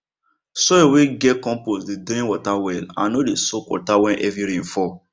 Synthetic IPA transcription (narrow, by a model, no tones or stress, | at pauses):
sɔeweɡɛkɔ̃mposdedĩwɔtawɛlã̰nodesokwɔ̰tawɛ̃nʔɛviɾĩn̩fɔ